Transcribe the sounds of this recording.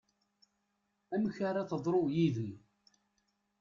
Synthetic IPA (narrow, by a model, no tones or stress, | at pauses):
æməçaɾaθəðˤɾˤojiðən